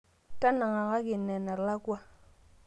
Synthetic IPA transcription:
ta˦na˨ŋa˨ka˦ɡi˨nːe˨na˨ɾla˦ku˦a˦

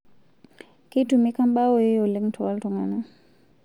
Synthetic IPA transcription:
ki˦tu˨mi˦ka˦mba˦wo˦˨je˦jo˨lɪ˦ŋtʰɔ˨a˦ltɔ˨ŋa˨nɛ˨

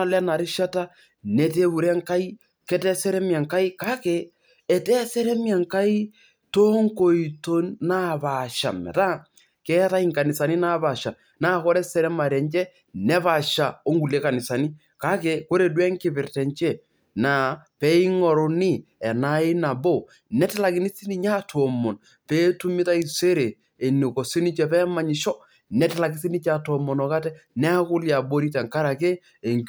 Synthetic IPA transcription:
a˦lɛ˦na˨ɾɪ˦ʃa˦ta˦ | ne˨te˦bu˨ɾɛ˦ŋka˦i˦ | kɛ˦tɛ˦sɛ˦ɾɛ˦mjɛ˨ŋka˦i˦ka˦ke˨ | ɛ˨tɛ˦sɛ˦ɾɛ˦mja˨ŋka˦i˦ | to˦ŋko˨i˨to˦nna˦ba˨ʃa̰˨mɛ̰˨ta˦ | kɛ˦ta˦i˦ŋka˨nɪ˨sa˨ni˦na˦ba˨ʃa˨ | naː˦˨kɔ˦ɾɛ˦sɛ˨ɾɛ˦ma˨ɾɛ˨nt͡ʃɛ˦ | nɛ˦pa˨ʃa˨o˦ŋɡu˨le˦ka˨nɪ˨sa˨ni˦ | ka˦ke˨ko˦ɾe˨dwɛ˦ŋkɪ˦pɪ˨rtɛ˨ɲt͡ʃɛ˦˨ | na˨pɛ˦i˦ŋɔ˨ɾo˨ni˦ | ɛ˨na˦ɪ˦na˨bo˦˨ | nɛ˦tɛ˦la˨kɪ˦ni˦si˦ni˦ɲa˦tʰɔ˨mɔ˨n | pɛː˦tu˦mɪ˦ta˦i˨se˦ɾe˨ | e˨nu˨ko˨si˦ni˦t͡ʃɛ˨pɛ˦ma˨ɲi˨ʃɔ˦ | nɛ˨tɛ˦la˨kɪ˦s̬i˦ni˦t͡ʃa˨tɔ˨mɔ˨nɔ˨ka˦tɛ˦nɛ˦kʊ˦lja˨bo˦ɾi˦tɛ˨ŋka˦ɾa˨ke˦ | e˨ŋ

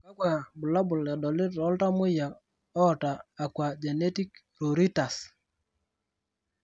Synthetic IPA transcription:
ka˦kwa˨bʊ˨la˦bʊ˨la˨dɔ˨lɪ˦ɾɔ˨˦lta˦mʊ˦ja˨ | ɔ˦˨taː˨kwa˨d͡ʒɛ˨nɛ˦ti˦k | ɾo˨ɾi˦ta˨s

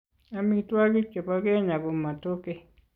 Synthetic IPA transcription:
a˦mi˧t̪u˦a˦ki˦t͡ʃe˨pa˧ke˦ɲa˨ku˧mːa˨t̪o˦ke˦

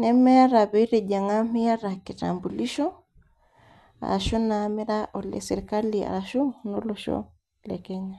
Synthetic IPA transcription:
nɛ˦mɛ˦ja˦ɾa˨βɛ˦i˦ɾe˨d͡ʒa˨ŋa˦mɛ˦ja˦ɾa˨ki˨ta̰˨mbu˨li˦ʃɔ˦ | a̰˨ɾa˨ʃɔ˦namɛ˦ɾa˦ʔɔ˨lɛ̰˨sɛ˨ɾka˦lia̰˨ɾaʃɔ˦no˦lɔʃɔ̰˦ | lɛkɛɲa˦

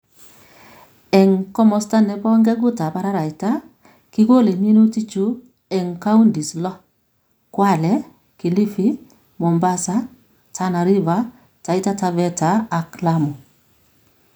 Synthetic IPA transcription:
ɛ˨ŋkɔ˦mɔ˨sta˦nɛ˨pɔ˦ŋɡɛ˦ɡʊ˦ta˨pa˦ɾa˦ɾa˨i˨ta˦ | ki˦ɡo˦le˨mi˦no˦ti˦t͡ʃu˦ | ɛ˨ŋka˦u˦ndi˨slɔ˦ | kwa˦˨lɛ˦ | ki˨li˦fi˦ | mo˨mba˦sa˦ | tʰa˦na˨ɾi˦va˨˦ | ta˨i˦ta˦ta˨vɛ˦taː˨kla˦mo˨

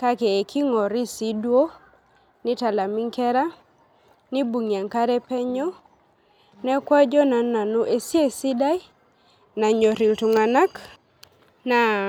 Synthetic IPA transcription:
ka˦keː˨kʰi˦ŋɔ˨ɾi˦si˦dwo˦ | nɪ˦ta˨la˨mi˦ŋkɛ˦ɾa˦ | nɪ˦bu˨ŋi˨a˨ŋka˦ɾɛ˦pɛ˦ɲɔ˦ | nɛ˦kwa˦d͡ʒɔ˦na˨na˨no˦ʔe˦si˦e˦si˦da˦j | na˨ɲɔ˨ɾi˨ltu˨ŋa˨na˦k | na˨

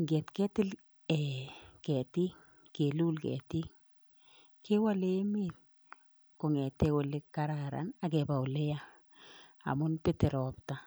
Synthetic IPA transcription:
ŋɡe˨tkɛ˦tɪ˦l | ɛ˨kɛ˨ti˦ŋ | ke˨lu˦lkɛ̰˨ti˦ŋ | ke˦wa˦le˦me˦t̚ | ko˨ŋɛ˨te˦wʊ˨le˦kːa˨ɾaɾa̰˨na˨kɛ˨ba˨u˨le˦ja˦ | a̰˨mʊ˦npɪ˦te˨ɾɔ˨pta˨

